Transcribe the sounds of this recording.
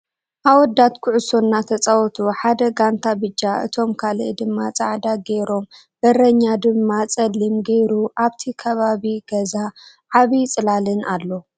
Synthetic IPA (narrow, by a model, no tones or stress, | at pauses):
ʔawɔd̪ːat̪kʰʊʕʊsonːat̪ʰɐt͡sʼawɔt̪ʰuħad̪ɐɡant̪ʰabɨd͡ʒːaʔɨ̰t̪ʰo̞mkʰald̪ɨmːat͡sʼaʕd̪aɡeɾo̞m | bɐɾɐɲːad̪ɨmːat͡sʼɐlːimɡejɾuʔaβt̪ʰikʰɐβaβiɡ̥ɐza | ʕaβit͡sʼɨlalɨnalːo